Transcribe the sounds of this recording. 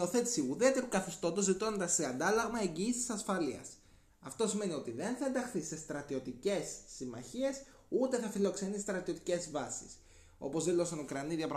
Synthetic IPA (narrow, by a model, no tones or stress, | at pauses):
o̞θe̞t̪i̥siuðeɐt̪epukɐθist̪o̞t̪ozit̪oned̪ɐseɐnd̪ɐlɐɣmɐe̞ɲɟiːsisɐsfɐliɐ̰s | ɐft̪o̞sime̞nio̞t̪iðe̞nθɐe̞nd̪ɐxθise̞st̪ɾɐt̪io̞t̪ice̞sːimɐ̰çie̞s | ut̪e̞θɐfilo̞kse̞nist̪ɾɐt̪io̞t̪i̥ce̞zvɐsi̥̰s | o̞̰po̞zðilo̞sɐnokɾɐniðiɐpɾ